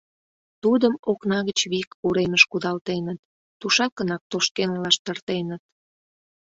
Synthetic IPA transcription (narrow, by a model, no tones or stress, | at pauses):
t̪ud̪əmoknɑɣət͡ɕβikuɾeməʃkud̪ɑlt̪enət̪̚ː | uʃɑkənɑk̚t̪oʃkenlɑʃt̪ərt̪enət̪̚